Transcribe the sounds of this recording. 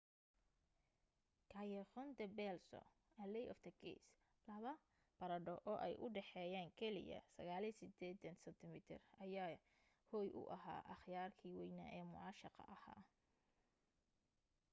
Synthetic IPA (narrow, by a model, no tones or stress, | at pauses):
kʰaːjɛχɔnd̪ɐbɛlsɔ̰ | ɐlɛjʔɔ̰ft̪ʰɐkɛ̰s | lɐβɐ | b̥ɐɾɐɖɔʔɔːʔɛjʔʊɖɛħɛːjaːŋkʰɛlɪ̰jɐ̰sɐ̰ɣaːlisɪd̪ɛːd̪ɐnsɐnt̪ʰɪmɪt̪ʰɪ̰rɐjaː | hɔːjʔʊ̰ʔɐɦa̰ːʔɐχjaːrkʰiːwɛjnɐ̰ʔɛːmʊ̰ʕɑːʃɑqɑ̰ʔɐha̰ː